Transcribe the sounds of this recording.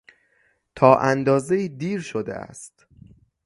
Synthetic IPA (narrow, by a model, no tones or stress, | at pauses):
t̪ʰɒːʔænd̪ɒːzeiːd̪iːɾʃod̪ḛʔæ̰st̪